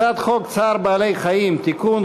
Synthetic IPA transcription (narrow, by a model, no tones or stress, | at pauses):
at̪χokt͡saɾbalejχajimt̪ikun